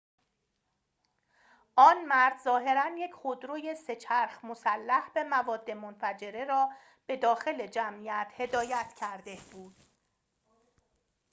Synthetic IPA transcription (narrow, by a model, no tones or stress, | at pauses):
ʔɒːnmæɾd̪zɒːɦe̞ɾænje̞cʰχod̪ɾoːje̞se̞t͡ʃʰæɾxmosælːæhbe̞mævɒːd̪ːe̞monfæd͡ʒe̞ɾe̞ɾɒː | b̥e̞d̪ɒːxe̞le̞d͡ʒæmʔijæt̪ʰhe̞d̪ɒːjæt̪ʰcʰæɾd̪e̞b̥uːd̪̥̚